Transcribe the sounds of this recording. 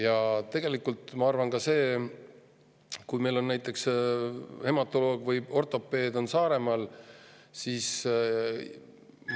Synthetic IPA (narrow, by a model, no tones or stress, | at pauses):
jɑt̪e̞ɡ̥e̞likːˑult̪ˑmɑɑrvɑnkɑse̞ː | kujme̞jlo̞nːæjt̪ːˑe̞ks | he̞mɑt̪ːˑo̞lo̞ːɡ̥vɯjo̞rt̪ˑo̞pːˑe̞ːd̪̥o̞nsɑːɾe̞mɑl | siːs